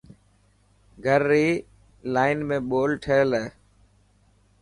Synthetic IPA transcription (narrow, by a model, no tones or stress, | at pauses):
ɡʱəɾːiː | laːɪnmẽːɓoːlʈʰeːleː